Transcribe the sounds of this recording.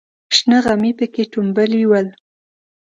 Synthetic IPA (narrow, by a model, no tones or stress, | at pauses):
ʃnəɣamipəkeʈumbəljiwəl